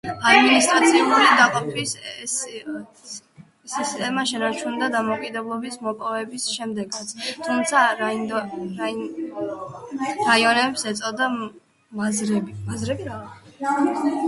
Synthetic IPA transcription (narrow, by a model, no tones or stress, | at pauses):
ad̪minist̪ʼɾat̪sʰiuɾid̪aqʼɔpʰiss | sist̪ʼɛmaʃɛnaɾt͡ʃʰund̪ad̪amɔkʼid̪ɛblˠɔbismɔpʼɔvɛbisʃɛmd̪ɛɡat̪sʰt̪ʰumt̪sʰad̪a | ɾaiɔnɛpsɛt̪sʼɔd̪a | mazɾɛbiɾɛ